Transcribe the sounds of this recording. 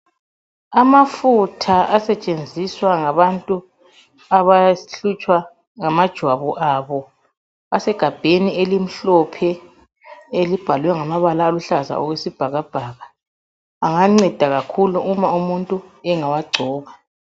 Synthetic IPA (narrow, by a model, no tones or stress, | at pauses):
amafutʰaʔasɛt͡ʃʼend͡zʱiswaŋaβantʼu | aβaɬut͡ʃʼwa | ŋamad̥ʒ̥ʱwaβɔʔaβɔ | asɛɡ̥ʱab̥ʱenielim̩ɬɔpʰɛ | elib̥ʱalwɛŋamaβalaːluɬaza̰ɔɣwesib̥ʱaɣab̥ʱaːɣaː | ŋaŋ͡ǀɛd̥ʱaɣakʰuluumaumuntʼuɛŋawaɡ͡ǀʱɔːβa